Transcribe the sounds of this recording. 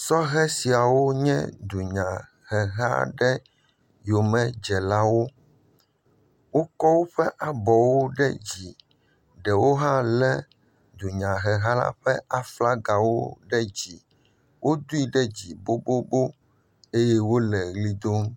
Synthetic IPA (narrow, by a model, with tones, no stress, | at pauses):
sɔ˦ɦɛ˦si˨a˨wo˦ɲɛ̰̃˦d̪u˨ɲã˨ | ɣɛ˨ɦa̰˦ɖɛ˦ | jo˨mɛ̃˦d͡ʒɛ˨la˦wo˦ | wo˦kɔ˦wo˦ɸɛ˦ʔa˨bɔ˨wo˦ɖɛ̰˦d͡ʑi˨ | ɖɛ˨wo˦ɦã˦lɛ˦ | d̪u˨ɲã˨ɦɛ˨ɦa˦la̰˦ɸɛ˦a˨fla˦ɡa˨wo̰˦ɖɛ˦d͡ʑi˨ | wʔo˦d̪u˦i˦ɖɛ˦d͡ʑi˨bo˦bo˦bo˦ | e˦jɛ˦wo˦lɛ˨ɣli˦d̪o˦m